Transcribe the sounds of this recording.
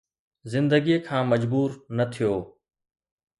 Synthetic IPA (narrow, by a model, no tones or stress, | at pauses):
zɪ̃nd̪əɡiekʰãːmɐd͡ʑbuːɾnɐt̪ʰijoː